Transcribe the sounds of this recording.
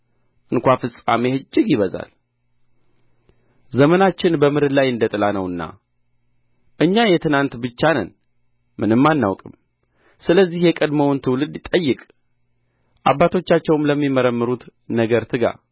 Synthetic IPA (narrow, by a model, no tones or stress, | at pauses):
ʔɨnkʷafɨsʼa̰mehɨd͡ʒːɪɡjɪβəza̰l | zəmənat͡ʃːɪnbəmɨɾɨd̪lajɨnd̪ət̪ʼɨlanəwɨnːa̰ | ʔɨɲːajɛt̪ʰɨnant̪bɨt͡ʃːanə̰n | mɨnɨmːanːa̰wkʼɨm | sɨləzːihjɛkʼəd̪məwnt̪ʰɨwlɨd̪t̪ʼəjːɨkʼ | ʔabːat̪ʰo̞t͡ʃːat͡ʃːɛwmləmːiməɾəmːɨɾut̪nəɡəɾt̪ʰɨɡa̰